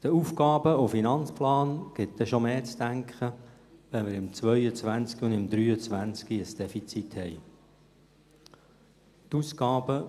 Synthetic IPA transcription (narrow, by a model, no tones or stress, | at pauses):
d̥əufkɑːb̥əofinɑnt͡splɑːnɡ̥ɪt̪d̪ɛʃomeːt͡sd̥̪æŋkχə | ʋɛnmɪɾɪmt͡sʋœʏət͡sʋænt͡skiʊnd̪ɪmd̪ɾyːət͡sʋænt͡skiəsd̥ɛfit͡sit̪hɛj | t̪uskɑːbə